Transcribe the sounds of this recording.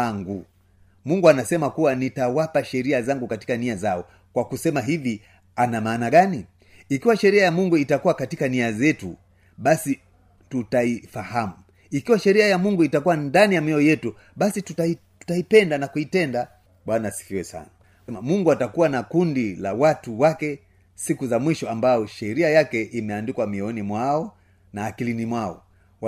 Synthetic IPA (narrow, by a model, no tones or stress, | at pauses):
aŋɡu | muŋɡuanasɛmakuwanitawapaʃɛɾiazaŋɡukati̥kaniazaɔ | kwakusɛmaɦivi | anamaːnaɠani | ikiwaʃɛɾiajamuŋɡuitakuwakatikaniazɛtṵ | ɓasi | tutaifahamu | ikiwaʃɛɾiajamuŋɡuitakuwandanijamiɔjɛtu | ɓasitutatu̥taipɛndanakuitɛnda | ɓwanasi̥kiwɛsa̰na | mamuŋɡuatakuwanakundila̰watuwakɛ | sikuzamwiʃɔambajɔʃɛɾiajakɛʔimɛandikwamiɔnimwaɔ | naːkilinimwaɔ̰ | w